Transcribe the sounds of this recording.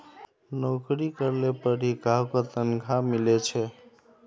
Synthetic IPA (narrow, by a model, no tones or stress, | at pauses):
nokɾikəɾlepəɽiɡʱawkot̪ənɡʱamilet͡ʃʰɛ